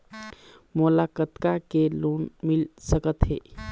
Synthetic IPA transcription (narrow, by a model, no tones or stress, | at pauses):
moːlakət̪kakelonmilsəkət̪ɦḛ